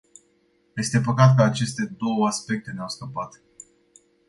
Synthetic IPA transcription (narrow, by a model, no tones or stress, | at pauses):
je̞st̪e̞pəkat̪kəat͡ʃe̞st̪e̞d̪o̞wəaspe̞k̚t̪e̞neawskəpat̪